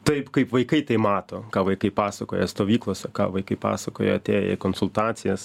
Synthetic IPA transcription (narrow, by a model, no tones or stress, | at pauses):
t̪ɐɪpkɐɪpʋɐɪkɐɪt̪ɐɪmɑːt̪oːkɑːʋɐɪkɐɪpɑːsɐkoːjɛst̪oːʋʲiːklˠoːsʲɛkɑ̰ːʋɐɪkɐɪpɑ̰ːsɐkoːjɛ̰ɐt̪ʲeːjɛ̰konsʊlˠt̪ɑːt̪sʲɪjɛs